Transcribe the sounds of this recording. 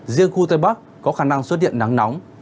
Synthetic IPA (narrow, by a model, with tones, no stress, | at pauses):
zi˧əŋxu˧t̪a˧˨jɓa˦˥k̚kːɔ˨˦xaː˧˩na˧ŋswə˦˥t̚hḭ˧˨ənːa˨˦ŋna˨˦wŋ͡m